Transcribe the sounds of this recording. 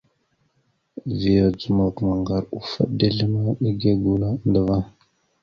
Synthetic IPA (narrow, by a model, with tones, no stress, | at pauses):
vi˨ja˨d͡zu˨ma˨kma˨ŋɡa˨ɾu˨fa̰˦ɗda˦ɮə˦ma˦ɗi˦ɡa˦ɡu˨la˦nda˨va˦